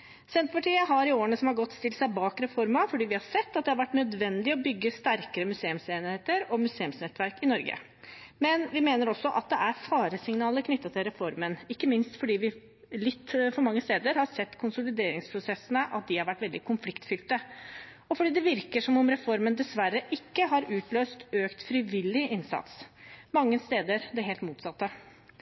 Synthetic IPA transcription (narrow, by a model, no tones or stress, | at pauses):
sɛnt̪pɑʈʰiːəɦɑɾɪoːɾəɳəsɔmhɑɾɡɔt̪ːst̪ɪlsæɪbɑːkɾɛfɔɾmɑfɔɖiːʋɪhɑɾsɛt̪ːɑt̪̚d̪ɛhɑɾʋæʈːnœd̪ʋɛnd̪ɪɔbʏɡːəst̪æɾkəɾəmʉseːʉmseːnɪheːt̪əɾɔmʉseːʉmsnɛt̪ːʋæɾkɪnɔɾɡə̰ | mɛnʋɪmeːnəɾɔsːɔʔɑt̪̚d̪ɛʔæɾfɑːɾəsɪŋnɑːləɾkʰnʏt̪ːɑt̪ʰɪlɾɛfɔɾmənɪkːəmɪnst̪fɔɖiːʋɪ | lɪt̪ːfɔɾmɑŋːəst̪eːd̪əɾhɑɾsɛt̪ːkʰʊnsʊlɪd̪eːɾɪŋspʰɾʊsɛsːənəʔɑt̪̚d̪ɪhɑɾʋæʈːʋɛld̪ɪkʰʊmflɪkt̪fʏlt̪ə | ɔfɔɖiːd̪ɛʋɪɾkəʂɔmɔmɾɛfɔɾmənd̪ɛsʋæɾːəʔɪkːəɦɑɾʉːt̪løːst̪øːkt̪fɾɪʋɪlːɪʔɪnsɑ̰t̪smɑŋːəst̪eːd̪əɾd̪ɛɦeːlt̪muːt̪sɑt̪ːə